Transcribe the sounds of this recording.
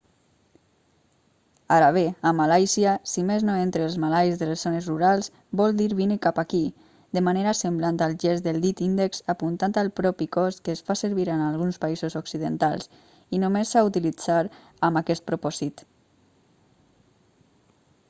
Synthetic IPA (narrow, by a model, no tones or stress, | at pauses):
aɾaβ̞eamalajziasimeznoent̪ɾeːlˠzmalajzðəlez̥onəzruɾalˠz | bɔlˠd̪iɾβinikapaki | d̪əmaneɾasəmblant̪alˠʒɛzd̪əlˠd̪it̪ind̪əksapunt̪ant̪alˠpɾɔpikɔskəːsfasəɾβiɾənalˠɣunspaizozoksiðənt̪alˠs | inomesːaut̪ilid͡zaɾ | əmakɛst̪̚pɾupɔz̥it̪